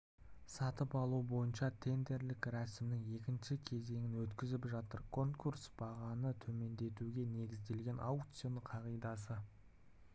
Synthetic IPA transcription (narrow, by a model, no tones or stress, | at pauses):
sɑt̪əpɑlˠuəbo̞jənʃɑt̪ʰe̞nd̪e̞ɾlɪkɾɑsɪmnɪŋe̞kʲɪnʃɪkʲʰe̞ze̞ŋɪnwɵt̪kʲɪzɪpʒɑt̪əɾkʰo̞ŋkursb̥ɑʁɑnət̪ʰɵme̞nd̪e̞t̪uɡʲe̞ne̞ɡʲɪzd̪e̞lɡʲe̞nʔawt̪sɨjonəqʰɑʁijd̪ɑs̬ə